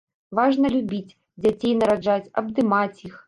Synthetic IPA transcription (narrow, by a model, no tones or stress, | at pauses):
vaʐnɐlʲubʲit͡sʲ | d͡zʲat͡sʲejnɐɾad͡ʐat͡sʲɐ̰b̚d̪ɨmat͡sʲjix